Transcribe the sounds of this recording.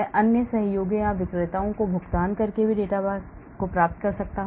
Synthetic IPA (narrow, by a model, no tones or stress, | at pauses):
ɛʔɐnjəsɐɦjoːɡjãʋɪkɾɪt̪aːõkobʱʊɡt̪aːnkɐɾkebʱiɖeːʈabaːs | kopɾaːp̚t̪̚kɐɾsɐk̚t̪aɦ